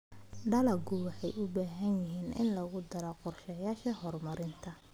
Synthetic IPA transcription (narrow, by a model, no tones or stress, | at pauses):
ɖɐlɐɡʊwɑħɑjʔʊbaːɦɐnjɪɦiːnʔɪ̰nlɐɣʊd̪ɐɾɔqɔrʃɐjaːʃɐɦɔrmɐɾɪnt̪ʰɐ